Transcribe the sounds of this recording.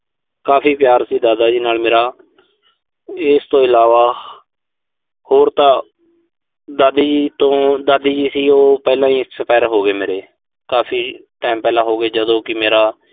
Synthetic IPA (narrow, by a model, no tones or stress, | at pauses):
kaːpʰiːpjaːɾsiːd̪aːd̪aːd͡ʒiːnaːlmeːɾaː | ɪst̪õːɪlaːʋaː | hoːɾt̪ãː | d̪aːd̪iːd͡ʒit̪õːd̪aːd̪iːd͡ʒiːsiːoːpɛːlãːiːsəpɛːɾɦoːɡeːmeːɾeː | kaːpʰiːʈaːmpɛːlãːɦoːɡeːd͡ʒəd̪õːkɪmeːɾaː